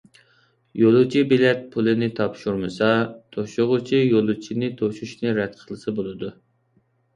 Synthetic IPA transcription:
jolˠut͡ʃʰibilɛt̪̚pʰulˠɨnɪt̪ʰɑpʃuɾmɨsɑt̪ʰoʃʊʁʊt͡ʃʰijolˠut͡ʃʰinɪt̪ʰoʃuʃnɨɾɛt̪̚qʰəlˠɨsɨbolˠɨd̪u

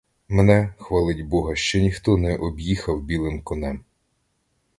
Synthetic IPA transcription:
mɛnɛxʋɐlˠɪtʲbɔɦɐʃt͡ʃɔnʲixt̪ɔnɛʔɔbjixɐwbʲilˠɪmkɔnɛm

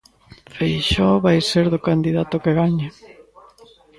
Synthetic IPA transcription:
fejʃɔβajseɾðʊkand̪iðat̪ʊkeɣaɲe

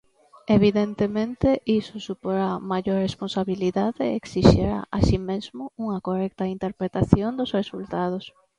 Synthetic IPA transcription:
eβiðent̪emẽnt̪eʔisʊsupoɾamaʎoɾresponsaβiliðaðeeksiʃeɾa̰ʔaʃimezmʊuŋɐkorɛk̚t̪ɐint̪eɾpɾet̪aθjond̪ʊsresult̪að̞os

